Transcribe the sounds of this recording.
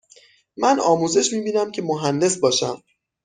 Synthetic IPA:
mænɒːmuːze̞ʃmiːbiːnæmcʰe̞moɦænd̪e̞sbɒːʃæm

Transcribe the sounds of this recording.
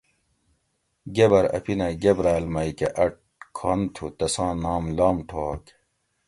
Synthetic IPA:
ɡebɐɾɐ̰pinɐɡebɾaːlmɐikeʔɐʈ̚kʰaːnt̪ʰut̪ɐsãːnaːmlaːmʈʰoːk

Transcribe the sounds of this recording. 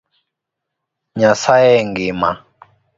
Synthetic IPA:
ɲasajɛŋɡima̰

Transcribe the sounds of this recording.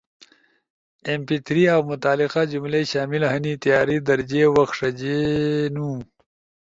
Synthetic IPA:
empit̪ɾiawmʊt̪aːlɪqad͡ʒumleɕaːmilɦɐnit̪ijaːɾid̪ɐɾd͡ʑewɐxʂɐd͡ʑenũ

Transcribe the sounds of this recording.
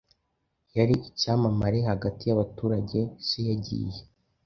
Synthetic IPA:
jaɾiʔicaːmamaɾehaɡatijaβatuːɾaɟe̞sijaɟḭje

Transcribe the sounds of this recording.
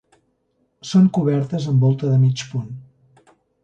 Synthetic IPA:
soŋkuβ̞ɛɾt̪əzəmbɔlˠt̪əðəmit͡ʃpun

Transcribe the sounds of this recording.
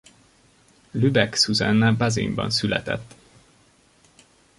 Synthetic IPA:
lybɛksuzɛnːɛbɑzḭmbɒ̰nsylɛ̰t̪ɛ̰t̪ː

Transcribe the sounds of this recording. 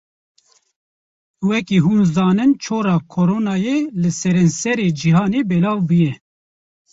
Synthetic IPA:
wɛkiːɦuːnzɑːnɨnt͡ʃʰoːɾɑːkʰoɾoːnɑːjeːlɨsɛɾɛnsɛɾeːd͡ʒiɦɑːneːbɛlɑːvbujɛ

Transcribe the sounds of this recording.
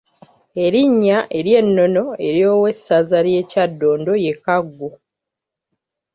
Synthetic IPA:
e̞ɾiɲːaʔe̞ɾje̞nːo̞no̞e̞ɾjoːwe̞sazaɾje̞ːcadːo̞ːndo̞je̞kaɡːo

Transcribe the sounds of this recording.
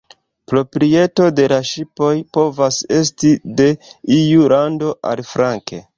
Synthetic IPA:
pɾo̞pɾie̞to̞de̞laʃipo̞jpo̞vase̞stide̞ijulando̞ʔa̰lfɾaŋke̞̰

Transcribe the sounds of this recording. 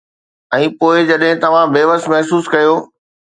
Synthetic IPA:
ɛ̃ːpoːɪd͡ʑɐɗɦɪ̃t̪ɐʋ̤ãbeːʋəsmɐɦsuːskɐjoː

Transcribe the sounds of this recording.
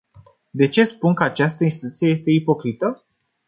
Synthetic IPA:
d̪e̞t͡ʃe̞spunkəat͡ʃast̪əinst̪it̪ut̪sijejest̪e̞ipo̞kɾit̪ə

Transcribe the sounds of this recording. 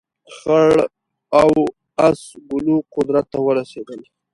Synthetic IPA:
xaɭ | aw | asɡʊluqʊd̪ɾat̪ːawəɾased̪əl

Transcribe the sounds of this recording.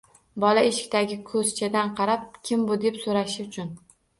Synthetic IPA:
bɒlaeʃɪ̥k̚ʲt̪aɡʲɪkʰɵz̥t͡ʃʰad̪anqʰɑɾap̚kʲʰɪmbʊd̪e̞psoɾaʃɪʊt͡ʃʰʊn

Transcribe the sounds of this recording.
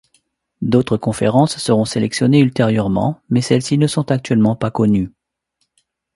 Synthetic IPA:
d̪ot̪χəkɔ̃feʁɑ̃sːəʁɔ̃selɛksjɔneylt̪eʁjœʁmɑ̰̃mɛsɛlsinəsɔ̃t̪ak̚t̪ɥɛlmɑ̃pakɔny

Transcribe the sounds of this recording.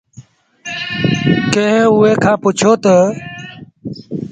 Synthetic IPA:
kẽɦʊeːkʰãːpʊt͡ʃʰoːt̪ə

